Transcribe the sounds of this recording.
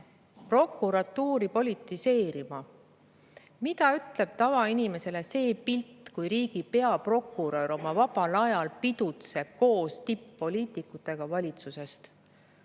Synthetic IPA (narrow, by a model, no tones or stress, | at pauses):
pro̞kˑːuɾɑt̪ːuːɾipo̞lʲit̪ːˑise̞ːɾimɑ | mit̪ɑyt̪ˑle̞b̥̚t̪ɑvɑinime̞se̞le̞se̞ːpilt̪kujɾiːɡ̥ipe̞ɑpro̞kːˑuɾoɾo̞mɑvɑbɑlɑjɑlpid̪̥ut̪se̞b̥̚ko̞ːst̪ipːo̞lʲiːt̪ˑikːˑut̪ːˑe̞ɡ̥ɑvɑlʲit̪suse̞st̪